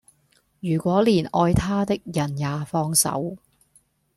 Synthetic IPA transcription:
jyː˨˩kʷɔː˨˥liː˨˩nʔɔː˧jt̪ʰaː˥t̪ɪ˥k̚jɐ˨˩njaː˨˧fɔː˧ŋsɐ̰˨˥w

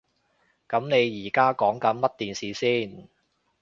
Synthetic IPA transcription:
kɐ˨˥mne˨˧jːiː˨˩kaː˥kɔː˨˥ŋkɐ˨˥nmɐ˥t̚t̪iː˨nsiː˨siː˥n

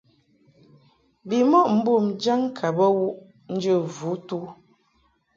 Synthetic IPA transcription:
bi˨mɔ˦ʔm̩˦bu˦˨md͡ʒa˦ŋkʰa˨bə˦wu˦ʔ | n̩˦d͡ʒə˦˨vu˨˦tu˦

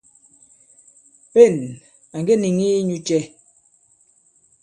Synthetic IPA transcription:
pe˦˨n | a˨ŋɡe˦ni˨ŋi˦ɲu˦t͡ʃɛ˦

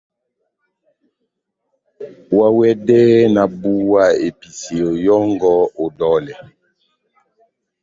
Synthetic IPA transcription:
wa˦wɛ˦dɛ˦na˨bu˦wa˦˨e˨pi˨se˨o˨jɔ˦ŋɡɔ˦o˨dɔ˦lɛ˨

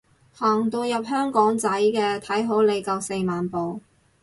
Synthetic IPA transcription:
haː˨˩ŋt̪o˧wjɐ˨p̚hœː˥ŋkɔː˨˥ŋt͡sɐ˨˥jkɛː˧t̪ʰɐ˨˥jɦo˨˥wle˨˧jkɐ˨˧wse˧maː˨npo˨w

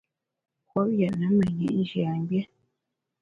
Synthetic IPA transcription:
kwɔ˦p̚jɛ˨ʔnə˨˦mə˨ɲḛ˨ʔn˦d͡ʒi˨a˨m˦bje˦

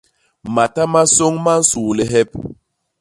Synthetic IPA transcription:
ma˨ta˦ma˦so˦ŋma˦n̩˦su˨le˦ɦɛ˦p̚

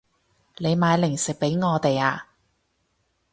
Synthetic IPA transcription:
le˨˧jmaː˨˧jlɪ˨˩ŋsɪ˨k̚pe˨˥jŋɔː˨˧t̪e˨jaː˧

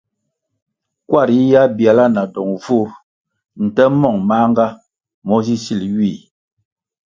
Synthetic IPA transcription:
kwa˦˨ɾi˦ja˦bja˨la˦na˨dɔ˨ŋvu˦˨ɾ | n̩˨tɛ˦mɔ˦˨ŋma˦ŋ˦ɡa˦ | mɔ˦zi˦si˦˨lɥi˦˨

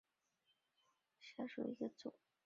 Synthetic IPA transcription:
ɕja˥ʂṵ˨˩i˧˥ɡə˧t͡sṵ˨˩˦

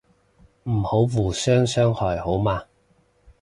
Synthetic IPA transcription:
m̩˨˩ho˨˥wwuː˨˩sœː˥ŋsœː˥ŋhɔː˨˩jho˨˥wmaː˧

